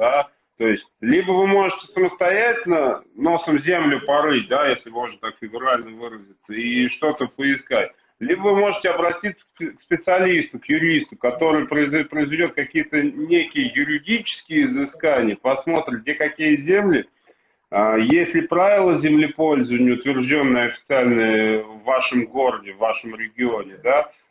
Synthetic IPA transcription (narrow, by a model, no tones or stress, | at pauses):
d̪a | t̪o̞jɪsʲtʲlʲibəvɨmo̞ʐɨtʲɪ̥səməst̪ɐjætʲɪlʲnəno̞səmzʲemlʲʊpɐɾɨt̚ʲd̪ajesʲlʲɪmo̞ʐnət̪akfʲɪɡʊɾalʲnəvɨɾəzʲɪt̪səiʂt̪o̞t̪əpəɪskatʲ | lʲibəvɨmo̞ʐɨtʲɪɐbɾɐtʲit̪sːə̥kkspʲɪt̪sɨɐlʲist̪ʊkjʊɾʲist̪ʊkɐt̪o̞ɾɨjəpɾəɪzpɾəɪzvʲɪdʲo̞t̪̚kɐkʲijət̪ənʲekʲɪjəjʊɾʲɪdʲit͡ɕɪ̥skʲɪjəɪzɨskanʲɪjəpɐsmo̞t̪ɾʲɪdʲekɐkʲijəzʲemlʲɪ | əjesʲlʲɪpɾavʲɪlˠəzʲɪmlʲɪpo̞lʲzəvənʲəʊt̪vʲɪrʐdʲo̞nːəjəɐfʲɪ̥t̪sɨalʲnəjəvːaʂəmɡo̞ɾədʲɪvːaʂəmɾʲɪɡʲɪo̞nʲɪd̪a